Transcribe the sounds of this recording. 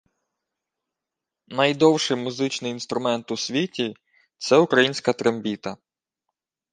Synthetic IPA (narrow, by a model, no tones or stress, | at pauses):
nɐjd̪ɔwʃɪjmʊzɪt͡ʃnɪjinst̪ɾʊmɛnt̪ʊsʲʋʲitʲi | t̪sɛʊkɾɐjinʲsʲkɐt̪ɾembʲit̪ɐ